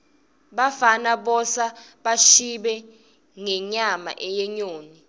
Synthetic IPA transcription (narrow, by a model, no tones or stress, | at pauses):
ɓafanaɓɔsaɓaʃiɓɛ | ŋɛɲama̰ʔɛjɛɲoːni